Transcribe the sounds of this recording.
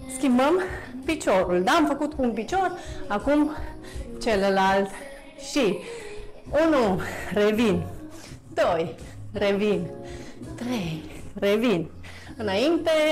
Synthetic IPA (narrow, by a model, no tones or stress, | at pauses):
skiməmpit͡ʃoɾuld̪amfakut̪kumpit͡ʃoɾakum | t͡ʃelelalt̪ | ʃi | unuɾevin | d̪oj | ɾevint̪ɾejɾevin | ɨnaint̪e